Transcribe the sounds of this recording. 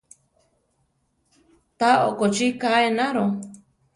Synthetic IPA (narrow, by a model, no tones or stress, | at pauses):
t̪ao̰kot͡ʃikaenaɾo